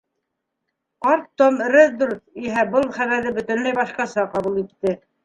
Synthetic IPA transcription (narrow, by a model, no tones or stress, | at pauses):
qɑɾt̪ːom̆ɾɘzd̪uɾiɦæbɤlˠχæβæɾðɘbɵ̆t̪ɘnmæjbɑʃqɑsɑqɑβulˠit̪ːɘ